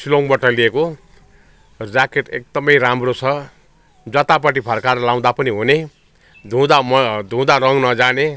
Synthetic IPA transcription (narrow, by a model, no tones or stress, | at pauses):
siloŋbʌʈʌlieko | rakeʈek̚d̪ʌmʌjɾamrot͡sʰʌ | d͡zʌt̪apʌʈ̬ipʰʌrkarlaw̃d̪apʌniɦune | d̪ʱũd̪amd̪ʱũd̪aɾʌŋnʌd͡zane